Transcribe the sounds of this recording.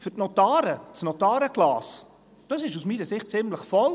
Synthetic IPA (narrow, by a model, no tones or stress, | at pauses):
fʏtnɔtɑːɾətt͡snɔtɑːɾəɡ̥lɑːs | d̥ɑsɪʃusmiːɾəsɪχt̚t͡sɪmləχfɔl